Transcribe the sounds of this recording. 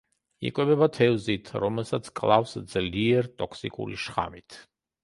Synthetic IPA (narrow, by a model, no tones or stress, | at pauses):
ḭkʼwɛbɛbat̪ʰɛvzit̪ʰɾɔmɛlˠsat̪sʰkʼlˠafsd̪z̥liɛɾt̪ʼɔkʰsikʼṵlḭʃχa̰mit̪ʰ